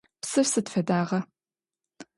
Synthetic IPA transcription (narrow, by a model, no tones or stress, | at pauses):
psɨfsɨtfɐdaːʁɐ